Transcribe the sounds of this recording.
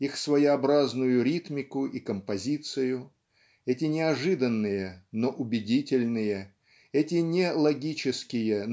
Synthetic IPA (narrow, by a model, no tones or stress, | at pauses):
ixsvəjɪɐbɾaznʊjʊɾʲit̪mʲɪkʊʔikəmpɐzʲit̪sɨjʊ | ɛtʲɪnʲɪɐʐɨd̪ənːɨjənoʔʊbʲɪdʲitʲɪlʲnɨjə | ɛtʲɪnʲelˠɐɡʲit͡ɕɪskʲɪjə